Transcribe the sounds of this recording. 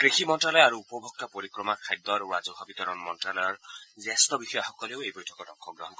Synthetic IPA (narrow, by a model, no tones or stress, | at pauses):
kɾixʰimɔnʈralɔjaɾuːpɔbʱɔk̚t̪apoɾikɾɔmakʰajd̪ːɔɾɾad͡zɔɦɔbit̪ɔɾɔnmɔnʈralɔjɔrd͡zast̪ɔbixɔjaɦɔkɔleowejbɔjtʰɔ̥kɔɖɔŋkʰːɔɡrɔɦɔnkɔ